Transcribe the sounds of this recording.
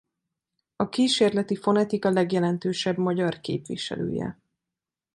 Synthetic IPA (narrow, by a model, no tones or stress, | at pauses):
ɒkiːʃeːrlɛt̪ifo̞nɛt̪ikɒlɛɡjɛlɛnt̪øːʃɛbmɒɟɒrkḛːpʋḭʃɛ̰lø̰ːjɛ̰